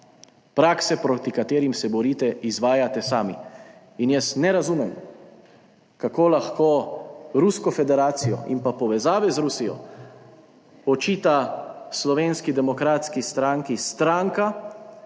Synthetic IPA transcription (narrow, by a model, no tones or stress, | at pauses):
pɾaːksɛpɾot̪ikat̪eːɾimsɛbɔɾiːt̪ɛizʋaːjat̪ɛsaːmi | injɛsnɛɾazumɛm | kakoːlaxkoːɾuskɔfɛd̪ɛɾaːt̪sijɔ̰ḭmpapɔʋɛzaːʋɛzɾusijɔ̰ | ɔt͡ʃiːt̪aslɔʋeːnskid̪ɛmɔkɾaːt̪skist̪ɾaːŋkist̪ɾaŋka